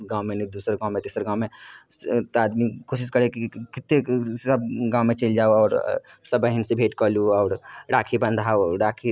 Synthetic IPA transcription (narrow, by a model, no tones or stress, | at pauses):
ɡãːwmẽnid̪uːsɾɡãːwmẽt̪iːsɾɡãːwmẽ | t̪aːd̪mikoːʃɪskɐɾekikɪt̪ːesɐb̚ɡãːmẽt͡ʃeld͡ʒaːoɔːɾsɐbəɦɪnsebʱeːʈkɔːluɔːɾɖaːkʰibɐ̃nd̪ʱɦaːoɖaːkʰi